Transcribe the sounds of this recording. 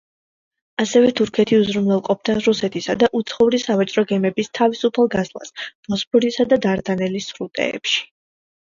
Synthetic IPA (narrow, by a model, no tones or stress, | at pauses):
asɛvɛt̪ʰuɾkʰɛt̪ʰiuzɾumlɛlˠqʼɔp̚ʰd̪aɾusɛt̪ʰisad̪aʔut̪sʰχɔuɾisavat͡ʃʼɾɔɡɛmɛbist̪ʰavisupʰalˠɡazlˠa̰sb̥ɔspʰɔɾisad̪ad̪aɾd̪anɛlisːɾut̪ʼɛ̰ːpʃi̥